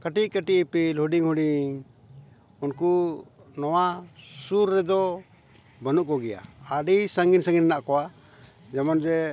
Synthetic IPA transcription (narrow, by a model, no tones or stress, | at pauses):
kəʈiʔ̚kəʈiʔpilhuɖiŋhuɖiŋ | unkunɔwasuɾːɛd̪ɔ | bənuʔkɔɡɛja̰aɖisaŋɡinsãŋɡinnaʔkɔwa | d͡ʒɛmɔnd͡ʒɛ